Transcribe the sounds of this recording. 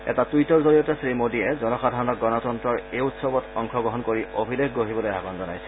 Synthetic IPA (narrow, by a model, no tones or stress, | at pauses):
ɛ̰tatujtɔɹzoɹijɔtɛsɹimodiɛzɔnɔxadʱaɹɔnɔk̚ɡɔnɔtɔntɹɔɹejutsɔbɔtɔŋkʰɔɡɹɔɦɔnkoɹiobʱilexɡoɦibɔlojabɔnzɔna̰jsɛ̥